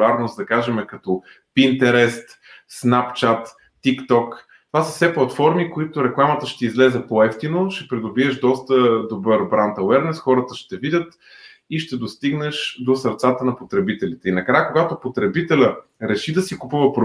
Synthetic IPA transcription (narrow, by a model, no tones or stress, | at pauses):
aɾnosd̪ɐkaʒɛmɛkɐt̪ɔ | pint̪ɛɾɛst̪ | snapt͡ʃat̪ː | ikt̪ɔk | t̪ovasə̥fsɛplˠɐt̪fɔɾmikoit̪ʊɾɛklˠamət̪əʃt̪ɛizlɛzɛpoɛft̪inoʃɛpɾid̪ʊbiɛʃd̪ɔst̪əd̪obɤɾbɾant̪ɐwɛɾnɛsxɔɾət̪əʃt̪ɛvidʲət̪ | iʃt̪ɛd̪ost̪iɡnɛʃd̪osəɾt̪sat̪ənɐpot̪ɾɛbit̪ɛlit̪ɛinɐkɾajəkoɡat̪opot̪ɾɛbit̪ɛlʲə | ɾɛʃid̪ɐsikupuvɐpɾo